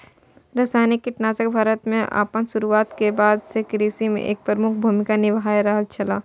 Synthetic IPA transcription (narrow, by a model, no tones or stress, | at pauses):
ɾɐːsaːnikːɪʈnaːt͡ʃək̚bʱaːɾət̪mẽʔa̰ːpənʃʊɾuaːt̪kebaːd̪sekɾiːsimḛ̃ʔeːk̚pɾɾəmʊkʰbʱuːmɪkanɪʋɦaːjɾaɦəlt͡ʃʰɐlaː